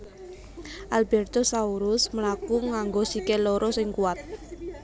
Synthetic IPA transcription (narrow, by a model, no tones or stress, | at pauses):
ʔalbɛrt̪ɔsauɾʊsməlakuŋaŋɡosikelɔɾɔsɪŋkuwat̪̚